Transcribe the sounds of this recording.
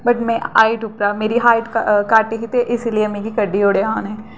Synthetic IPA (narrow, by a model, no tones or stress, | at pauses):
bɐʈmɛ̃a̰ːɪʈʊpɾaːmeːɾiɦaːɪʈkkaːɾʈekit̪eʔɪsliemẽːɡikəɖːioːɽeaːnɦɛ̃ː